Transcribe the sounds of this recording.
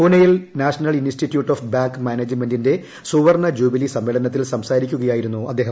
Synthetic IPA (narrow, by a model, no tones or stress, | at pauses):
kunɐjilnaːʂɐnɐlinsʈitːjuːʈːofbaːŋkmaːneːd͡ʑmendinde̞ | suʋɐrɳɐd͡ʑuːbilisɐmːeːɭɐnɐt̪ːilsɐmsaːɾikʲːuɣɐjaːjiɾunːuɐd̪ːeːɦɐm